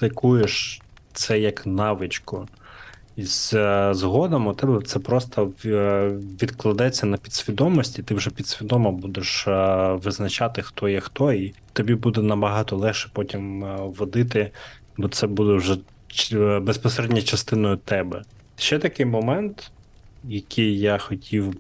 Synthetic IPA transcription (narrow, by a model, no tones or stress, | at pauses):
sɪkujeʃ | t̪sɛjɐknɑʋɪt͡ʃkʊ | izzɦɔd̪ɐmʊt̪ɛbɛt̪sɛpɾɔst̪ɐ | ʋʲid̪klˠɐd̪ɛt͡sʲːɐnɐpʲid̪sʲʋʲid̪ɔmɔsʲtʲit̪ɪwʐɛpʲid̪sʲʋʲid̪ɔmɐbud̪eʃʋɪznɐt͡ʃɑt̪ɪxt̪ɔjɛxt̪ɔit̪ɔbʲibud̪ɛnɐbɐɦɑt̪ɔlˠɛxʃɛ̥pɔtʲimʋɔd̪ɪt̪ɪ | bɔt̪sɛbud̪ɛwʒɛ | bespɔseɾɛdʲnʲɐt͡ʃɐst̪ɪnɔjʊt̪ɛbɛ | ʃt͡ʃɛt̪ɐkɪjmɔmɛnt̪ | jɐkɪjjaxɔtʲʰiw